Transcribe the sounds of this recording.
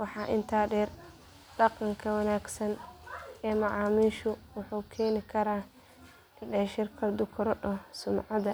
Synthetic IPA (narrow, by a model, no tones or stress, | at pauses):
wɑħɑːʔɪnt̪ʰaːɖɛːr | ɖɑqɑŋkʰɐwɑnaːɡsɐn | ɛːmɑʕɑːmiːʃʊwʊħuːkʰɛːnɪkʰɐɾaː | ɪnɖɛːʃɪrkʰɐd̪ʊkʰʊɾɔɗɔsʊmʕɑd̪ɐ